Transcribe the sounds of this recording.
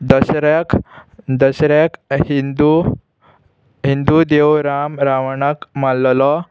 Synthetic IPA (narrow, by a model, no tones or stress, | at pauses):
d̪əsɾakd̪əsɾakhind̪u | ɦind̪ud̪ewɾamɾaʋəɳakmalːlɔ